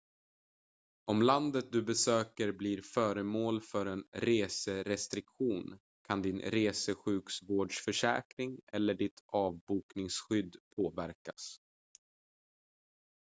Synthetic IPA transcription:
ɔmland̪ət̪̚d̪ɵbɛsøːkəɾbliɾfœːɾəmoːlfœɾɛnɾeːsəɾɛst̪ɾɪkɧuːn | kʰand̪ɪnɾeːsəɧʉ̟ːksvoːɖʂfœʂɛ̰ːkɾɪŋɛlːəɖɪt̪ʰɑːvbuːknɪŋsɧʏd̪ːpʰoːvæɾkas

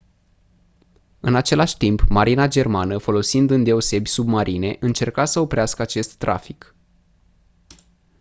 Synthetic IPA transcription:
ɨnat͡ʃe̞laʃʲt̪impmaɾinad͡ʒe̞rmanəfo̞lo̞sind̪ɨnd̪e̞ose̞bʲsubmaɾʔine̞ʔɨnt͡ʃe̞rkasəo̞pɾeaskəat͡ʃe̞st̪ːɾa̰fik

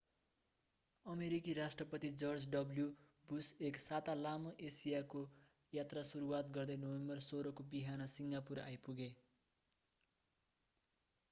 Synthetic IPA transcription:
ʌmeɾikiɾasʈrʌpʌt̪id͡zʌrd͡zɖʌbljubuseksat̪alamoʔesijako | jat̪rasuɾuwat̪̚ɡʌrd̪ʌjnʌwembʌrsoɾʌkobiɦanʌsiŋɡapuɾa̰jpuɡe

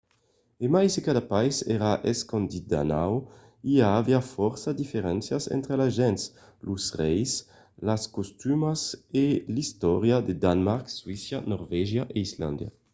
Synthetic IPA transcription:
emajsekad̪apajsɛɾaʔeskond̪it̪̚d̪a̰naw | iaːviafɔɾsad̪ifeɾɛnsjasɛ̰nt̪ɾelaʒɛns | luzʁɛjs | laskost̪ymaselist̪ɔɾjad̪ed̪anmaɾkswisjanɔɾvɛʒjaʔeizla̰nd̪ja̰

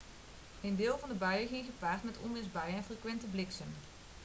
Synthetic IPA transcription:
endɪːlˠvɑndəbœɥəɣɪŋχəpaːrtmɛtɔ̰mɪsbɛjəɛnfrəkʋɛntəblɪksən

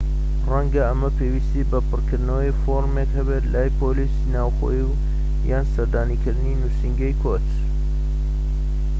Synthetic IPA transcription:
rɐŋɡɐəmɐpʰewist̪ibɐpɨrkʰɨɾd̪nɐwəjfoɾmekhɐbet̪laːjpʰolisinaːwxo̰jiw | jaːnsɐɾd̪aːnikʰɨɾd̪ɨninusiŋɡɐjkʰot

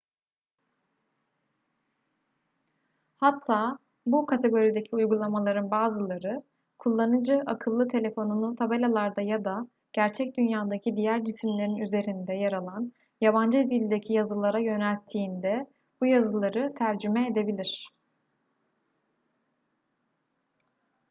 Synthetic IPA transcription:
hat̪ʰːaː | bukʰat̪ʰe̞ɡo̞ɾid̪e̞cʰiujɡulˠamalˠaɾɯnbaːzɯlˠaɾɯ | kʰulˠːanɯd͡ʒɯʔakʰɯlˠːɯt̪ʰe̞lʲe̞fo̞nunˠut̪ʰabelʲalˠaɾd̪ajad̪a | ɟ̥æɾt͡ʃʰɛc̚d̪ynjaːd̪acʰid̪ijæɾd͡ʒisimlʲe̞ɾinyze̞ɾind̪ɛjaɾalˠan | jaβand͡ʒɯd̪ilʲd̪ecʰijazɯlˠaɾajø̞nælʲt̪ʰːiːnd̪ɛ | bujazɯlˠaɾɯt̪ʰæɾd͡ʒymɛed̪e̞bilʲiɾ̥

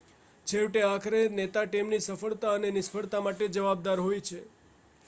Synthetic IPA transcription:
d͡ʒʰeʋʈeakʰɾenet̪aʈɛmnisəfəɭt̪aənenɪspʰəɭt̪amaʈed͡ʒəʋab̚d̪aɾɦojt͡ʃʰe

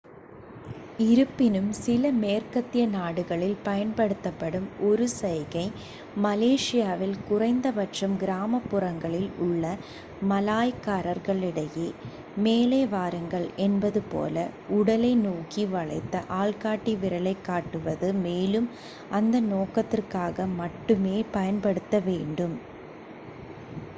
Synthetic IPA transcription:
ɪɾɯpːɪnɯmsɪlɐmeːrkɐt̪ːɪjɐnaːɽɯɣɐɭɪlpɐjɐnpɐɽɯt̪ːɐpːɐɽɯmɔɾɯsɐjɣɐɪ | mɐleːʂɪjaːʋɪlkʊrɐɪnd̪ɐʋɐʈrɐmɡɪɾaːmɐpːʊrɐŋɡɐɭɪlʊɭːɐ | mɐlaːjkaːɾɐɾɣɐɭɪɽɐjeː | meːleːʋaːɾɐŋɡɐɭɛnbɐðɯpo̰ːlɐʊɽɐlɐɪnuːkiʋɐɭɐ̰ɪt̪ːɐʔaːɭkaːʈːiʋɪɾɐlɐɪkːaːʈːɯʋɐðɯmeːlɯm | ʔɐnd̪ɐnoːkɐt̪ːɪrkaːɣɐmɐʈːɯmeːpɐjɐnpɐɽɯt̪ːɐʋeːɳɖɯm

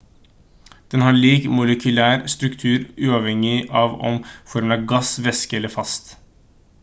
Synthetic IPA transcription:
d̪̥ɛnhɑːɭiːkmʊləkʰʉlæːɾst̪ɾʉkt̪ʰʉːɾʉːɑːʋhɛŋɪʔɑːʋɔ̰mfɔɾməɾɑɡɑsʋɛskəɛlːəɾfɑst̪

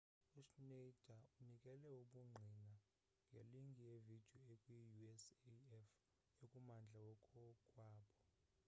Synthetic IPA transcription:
uʃned̥ʱaunikʼɛlɛuɓuŋ͡ǀʱina | ŋʱeliŋɡʱijevid̥ʱijɔekʼwijuɛsɛf | ekʼumand͡ɮʱawɔkʰɔkʼwaːɓɔ

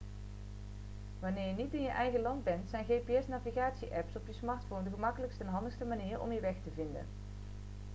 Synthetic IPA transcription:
ʋanɪːɹjənitɪnjəʔɛjɣəlɑndbɛntsɛjnɣejpeɛsnaːviɣaːtsiʔɛpsɔpjəsmɑɹtfowndəχəmɑkələkstəɛnɦɑndəxstəmaniːɹʔɔ̰mjəʋɛxtəvɪndə̰n

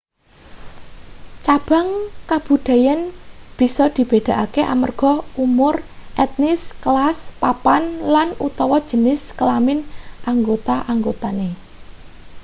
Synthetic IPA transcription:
t͡ʃab̥a̤ŋkab̥ṳd̪̥a̤janb̥i̤sɔd̪̥i̤b̥ed̪̥a̤ʔakeʔa̰mərɡ̥ɔ̤umʊrʔɛt̪̚nɪskəlaspapanlanut̪ɔwɔd̥ʒ̥ə̤nɪskəlamɪnʔaŋɡot̪aʔaŋɡot̪ane

